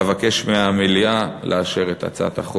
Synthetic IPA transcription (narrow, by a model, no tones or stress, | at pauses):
vake̞ʃmeamilijalʔeaʃeʁet̪a̰t͡sa̰t̪aχo